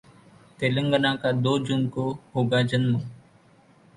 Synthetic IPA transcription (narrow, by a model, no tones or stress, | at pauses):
t̪eːləŋɡənãːkaːd̪oːd͡ʒʊnkoːɦoːɡaːd͡ʒənmə̃ː